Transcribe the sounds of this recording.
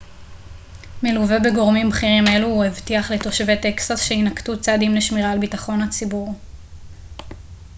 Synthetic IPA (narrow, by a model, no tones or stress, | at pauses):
meluve̞beɡo̞ʁmimbχiʁime̞luuevtiaχleto̞ʃve̞te̞ksasʃeinaktut͡sad̪imleʃmiʁaːlbitaχo̞nhat͡sibuʁ